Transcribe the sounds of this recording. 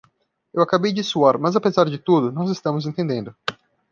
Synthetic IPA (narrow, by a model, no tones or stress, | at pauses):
ewakabejd͡ʒɪsuaɾmɐzapezaɾd͡ʒɪt̪ud̪ʊnɔzɪst̪ɐ̃mʊzẽñt̪ẽnd̪ẽnd̪ʊ